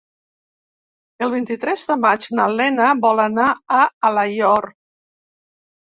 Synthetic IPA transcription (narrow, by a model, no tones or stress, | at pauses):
əlˠβ̞int̪it̪ɾɛzðəmad͡ʒnalɛnəβɔlənaəalajɔr